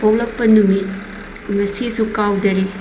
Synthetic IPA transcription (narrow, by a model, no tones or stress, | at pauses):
powlɐk̚pɐnumi | mɐsisukawdɐɾi